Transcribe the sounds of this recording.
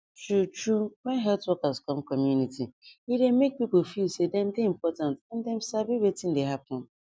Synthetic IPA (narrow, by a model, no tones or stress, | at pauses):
t͡ʃut͡ʃuwɛnɦɛltwɔkaskɔ̃mkɔmjunitiidemek̚pipʊfisedɛ̃mdeim̩pɔtãntɛ̃n̩dɛm̩sabiwetĩn̩deɦapʊ̃n